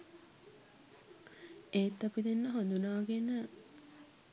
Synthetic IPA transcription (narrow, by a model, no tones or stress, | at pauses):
eːt̪ːɐpid̪enːəɦond̪unaːɡenə